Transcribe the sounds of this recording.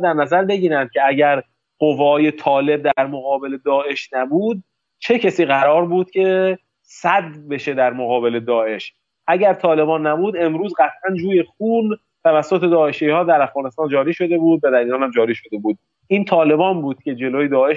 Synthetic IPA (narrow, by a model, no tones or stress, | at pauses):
d̪æɾnæzæɾbe̞ɟiːɾænd̪̚cʰe̞æɟæɾ | ɢ̥ovɒːje̞t̪ʰɒːle̞b̚d̪æɾmoɣɒːbe̞le̞d̪ɒːe̞ʃnæbuːd̪̚ | t͡ʃʰe̞cʰæsiːɣæɾɒːɾbuːd̪̥̚cʲʰe̞ | sæd̪be̞ʃe̞d̪æɾmoɣɒːbe̞led̪ɒːʔe̞ʃ | ʔæɟæɾt̪ʰɒːle̞bɒːnːæbuːd̪e̞mɾuːzɢæt̪ʰʔænd͡ʒuːje̞xuːl | t̪ʰævæsːot̪ʰed̪ɒːe̞ʃihɒːd̪æɾæfɣɒːne̞st̪ɒːnd͡ʒɒːɾiːʃo̞d̪e̞buːd̪væd̪æɾiːɾɒːnhæmd͡ʒɒːɾiːʃo̞d̪e̞buːd̪̚ | ʔiːnt̪ʰɒːle̞bɒːnbuːd̪̥cʲʰe̞d͡ʒe̞loːjed̪ɒːe̞ʃ